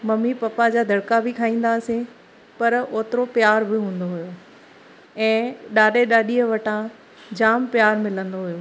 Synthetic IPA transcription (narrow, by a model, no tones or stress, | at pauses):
mɐmipɐpad͡ʑaːd̪ʱɐɽkabɪkʰaːĩːn̆d̪asẽ | pɐɾoːt̪ɪɾopjaːɾbɪɦũːnd̪oɦʊjo | ɛ̃ːɗaːɗeɗaːɗiəʋɐʈʰã | d͡ʑaːmpjaːɾmɪlə̃nd̪oɦʊjoː